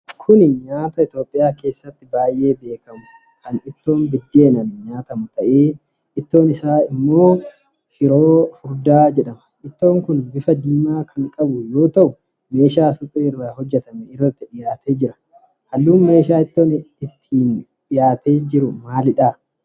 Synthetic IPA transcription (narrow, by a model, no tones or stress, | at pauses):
kʰʊnɪɲaːt̪ɐɪt̪o̞ːpʼːɪjaːke̞ːsːɐt̪ːɪbaːjʔe̞ːbe̞ːkɐmʊ | kɐnɪt̪ːo̞ːnbɪd̪ːe̞ːnɐnɲaːt̪ɐmʊt̪ɐʔeː | ɪt̪ːo̞ːnɪsaːɪmːo̞ː | fɪɾo̞ːfʊɾd̪aːd͡ʒɛᶑɐmɐ̥ʔɪt̪ːo̞ːŋkʊnbɪfɐd̪iːmaːkʰɐŋkʼɐbʊjo̞ːt̪ɐʔʊ | me̞ːʃaːsʊkʼːeːrːaːɦɔd͡ʒːɛt̪ɐmɛɪrːɐt̪ːɪᶑɪjaːt̪ʰeːd͡ʒɪɾɐ̥ | hɐlːuːnme̞ːʃaːɪt̪ːo̞ːnɪt̪ʰːiːn | ᶑɪjaːt̪eːd͡ʒɪɾʊmaːlɪᶑaː